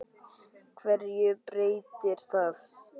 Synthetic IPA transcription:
kʰvɛɾjʏpɾeːjt̪ɪɾ̥θað

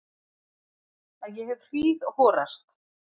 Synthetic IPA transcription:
aðjɛɦɛvr̥iːðhɔːɾast̪

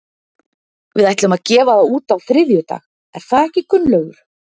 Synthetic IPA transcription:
vɪðajt̪ʏʏmaðcɛːvaðauːt̪awθɾɪðjʏt̪a̰ːx | ɛɾ̥θaðɛhcɪkʏnːlœɥɣʏɾ̥

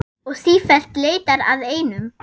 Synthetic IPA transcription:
ɔɣsiːfɛl̥t̪leːjt̪aɾa̰ðeːjnʏm

